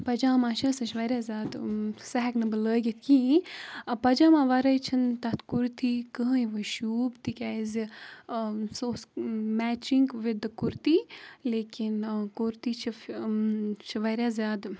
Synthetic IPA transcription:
pɐd͡ʒaːmãːʃɐsɐʃʋɐɾʲjaːzʲjaːd̪sɐɦɛknɐbɨləːɡʲit̪̚ʰkĩ | pɐd͡ʒaːmãːʋɐɾɐjt͡ʃʰint̪ɐt̪kuɾt̪iːkəɦiʋəʃuːbt̪ikʲaːizi | soːsmæːt͡ʃiŋɡʋid̪ɨkuɾt̪iːleːkinkuɾt̪iːt͡ʃʰi | ʃiʋɐɾʲjaːzʲjaːd̪

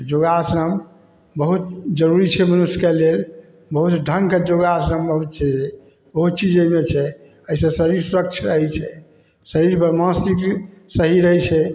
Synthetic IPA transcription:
d͡ʒoɡasɾəm | bəɦut̪d͡ʒəɾuɾit͡ʃʰɛmənusjkelel | bəɦut̪ɖʱəŋɡked͡ʒoɡasɾəmbəɦut̪̚t͡ʃʰɛe | bəɦut̪̚t͡ʃid͡ʒəmet͡ʃʰɛ | əɦisə̃səɾiɾsuɾək̚t͡ʃʰɾəɦɛt͡ʃʰɛ | səɾiɾpəɾmãsɾiksəɦiɾəɦɛt͡ʃʰɛ

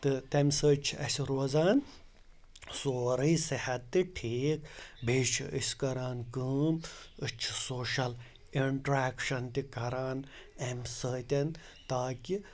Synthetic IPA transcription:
t̪ɨt̪emsəːt͡ʃʰiɐsiɾoːzaːn | soːɾɨːsihɐt̪ːiʈʰiːkbʱeːt͡ʃʰḭʔḭsʲkɐɾaːnkəːmɨt͡ʃʰi̥soːʃɐl | iɳʈɾaːkʃɐnt̪ikɐɾaːn | emsəːt̪ʲɐn | t̪aːki

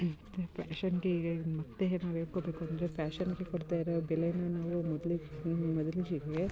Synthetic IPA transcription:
pʰaːʃɐnɡemɐt̪ːeɦnaːʋeːɽkoːbeːkuɐnd̪ɾepʰaːʃɐnɡekoɽt̪aːjiɾobɛlenɐnaːʋumɔd̪ɐlimɔd̪ɐliɡiɡɡe

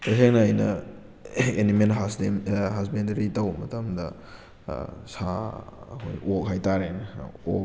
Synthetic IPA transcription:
tɐseŋnɐːjnɐ | enimenɦaseɦasbendɐɾitɐwmɐtɐmdɐ | saɐ̰kʰo̰jʔok̚ɦajtaɾenok̚

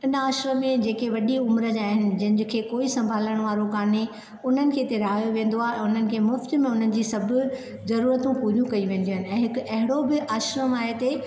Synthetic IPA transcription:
ɪnəaːʃɾəmẽd͡ʑeːkeʋɐɗiʊmɾəd͡ʑaːɦɪnɪ̆d͡ʑɐ̃ɦɪ̃nd͡ʑkʰeːkoːisɐ̃mbʱaːləɽ̃ʋaːɾokaːne | ʊn̤ənɪ̆kʰeːt̪eɾɐɦaːjoʋẽːnd̪oaːɦeɛ̃ːʊn̤ənɪ̆kʰeːmʊft̪̆mẽʊn̤ənɪ̆d͡ʑiːsɐbʱʊ̆ | zɐɾuːɾət̪ũpuɾijũkɐiʋẽːn̆d̪iuːɦɪnɪ̆ɛ̃ːɦɪkɐɦɪɽobɪʔaːʃɾəmaːɦet̪e

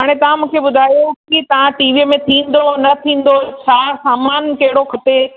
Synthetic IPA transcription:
ɦaːɽ̃et̪ɐʋ̤ãmũːkʰebʊd̪ʱaːjokit̪ɐʋ̤ãʈiːʋiːmẽt̪ʰĩːn̆d̪onɐt̪ʰĩːn̆d̪ot͡ɕʰaːsaːmaːnkɐɦɪɽokʰɐt̪e

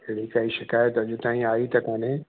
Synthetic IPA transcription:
eɽikaːiʃɪkaːjət̪ɐd͡ʒot̪ãːĩaːit̪ɐkmɐ̃nẽ

